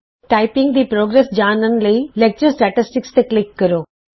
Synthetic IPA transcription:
ʈaɪpɪ̃ŋɡd̪iːpɾoːɡɾesd͡ʑaːnənɪ̆lɐilek̚t͡ɕəɾsʈɛʈɪsʈɪkst̪eklɪkːɐɾoː

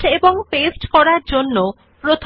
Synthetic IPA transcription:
ʈeboŋpesʈkɔɾaɾd͡ʑonːo | pɾot̪ʰ

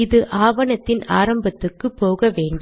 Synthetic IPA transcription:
ɪðɯʔaːʋɐnɐt̪ːɪnaːɾɐmbɐt̪ːɯkːɯpːoːɣɐʋeːɳɖ

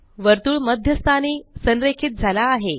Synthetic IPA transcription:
ʋəɾt̪uːɭməd̪ʱjəst̪ʰaniːsənɾekʰit̪̚d͡zʱalaːɦe

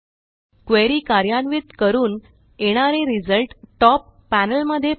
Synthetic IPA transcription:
kʋeɾiːkaɾjanʋit̪kəɾuːn | eɽ̃aɾeɾid͡zəlʈʈɔpːænəlməd̪ʱːje

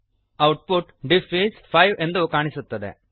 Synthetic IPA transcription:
ɐwʈ̚puʈɖipʰiːspʰɐjʋend̪ukaːɳisut̪ːɐd̪ḛ

